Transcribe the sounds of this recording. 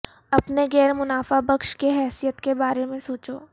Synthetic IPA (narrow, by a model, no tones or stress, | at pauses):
ɐpneɡɛːɾmʊnaːfabɐkʃkeɦɛːsijət̪kebaːɾemẽsoːt͡ʃoː